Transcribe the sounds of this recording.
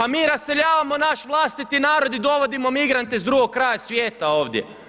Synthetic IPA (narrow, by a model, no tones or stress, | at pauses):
amiːɾasːe̞ʎaːʋamo̞naʃʋlˠaːst̪it̪inaːɾo̞d̪id̪o̞ʋo̞d̪imo̞miɡɾant̪ezd̪ɾuːɡo̞k̚kːɾaːjasʋjeːt̪ao̞ːʋd̪jḛ